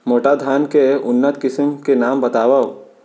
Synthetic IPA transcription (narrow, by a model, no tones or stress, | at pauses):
moːʈad̪ʱaːnkeʊnːət̪kɪsɪmkenaːmbɐt̪aːʋa